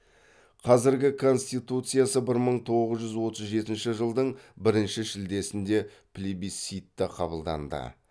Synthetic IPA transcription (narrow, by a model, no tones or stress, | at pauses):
qʰɑzɪɾɡʲɪkʰo̞nst̪ijt̪ut̪sɨjasəbɪɾməɴt̪ʰo̞ʁəzʒʏzwo̞t̪əzʒe̞t̪ɪnʃɪʒəlˠd̪əɴbɪɾɪnʃɪʃɪld̪e̞sɪnd̪e̞pʰlʲibisit̪ːɪqʰɑbəlˠd̪ɑ̰nd̪ə̰